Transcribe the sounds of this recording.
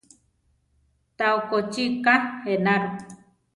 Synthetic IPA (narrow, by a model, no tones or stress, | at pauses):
t̪aokot͡ʃikahenaɾu